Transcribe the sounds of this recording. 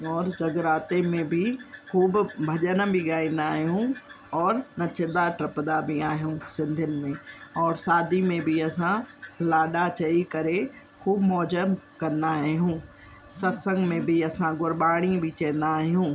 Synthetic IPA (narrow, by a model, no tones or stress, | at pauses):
ɔːɾd͡ʑɐɡɾaːt̪emẽbʱɪxʰuːbbʱɐʄənbʱiɠaːĩːnd̪aːɦijũ | ɔːɾnɐt͡ɕɪd̪aʈɾɐpd̪abʱiaːɦijũsɪ̃nd̪ʱənɪ̆mẽɔːɾsaːd̪ʱimẽbʱiɐsãlaːɗat͡ɕɐikɐɾe | kuːbmɔːd͡ʑəmkɐ̃nd̪aːɦijũ | sɐsə̃ŋɡmẽbʱiɐsãɡʊɾɓaːɽ̃ĩbʱɪt͡ɕɛ̃ːnd̪aːɦijũː